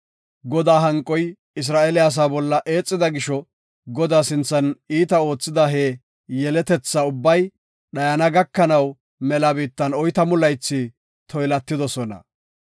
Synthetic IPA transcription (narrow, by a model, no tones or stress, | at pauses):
ɡɔd̪aːɦɐŋkʼːɔj | ɪs̬ɾaːʔelɪas̬aːbɔlːɐʔeːt͡sʼːɪd̪ɐɡɪʃɔ | ɡɔd̪aːsɪnt͡sːɐniːt̪ɐo̞ːt͡sːɪd̪ɐɦe | jɛlɛt̪ɛt͡sːɐʊbːɐj | ɗɐjɐnɐɡɐkːɐnɐw | mɛlɐbiːt̪ːɐnɔjt̪ɐmʊlɐjt͡sːi | t̪ʰɔjlɐt̪ːɪd̪ɔsɔnɐ̰